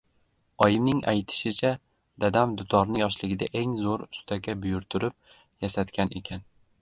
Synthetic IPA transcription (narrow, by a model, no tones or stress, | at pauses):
ɒjɪmnɪŋajt̪ʰɪ̥ʃɪt͡ʃʰa | d̪̥ad̪amd̪ʊt̪ʰɒɾnɪjɒʃlɪɡʲɪd̪aʔe̞ŋzoɾʊst̪ʰaɡʲabʊjʊɾt̪ʰʊɾɪp̚ | jasat̪kʲʰanʔekʲʰan